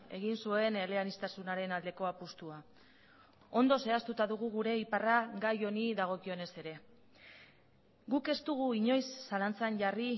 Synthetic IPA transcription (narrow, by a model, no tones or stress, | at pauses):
e̞ɣ̞insue̞ne̞leanist̪asunaɾe̞nald̪e̞ko̞apust̪ua | o̞nd̪o̞se̞ast̪ut̪aðuɣ̞uɣ̞uɾe̞iparaɣajo̞niðaɣ̞o̞kio̞ne̞se̞ɾe̞ | ɡuke̞st̪uɣ̞uiɲo̞jsːalant͡sanʝari